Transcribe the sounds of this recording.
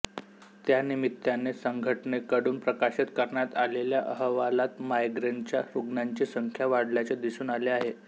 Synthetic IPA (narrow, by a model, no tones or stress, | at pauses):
t̪janimit̪ːjanːesəŋɡʱəʈɳekəɽuːnpɾəkaɕit̪kəɾɳjat̪aleljaʔəɦəʋalat̪majɡɾeɳt͡ɕjaɾuɡnaɲt͡ɕiːsəŋkʰjaʋaɽljat͡ɕed̪isuːnaleaɦe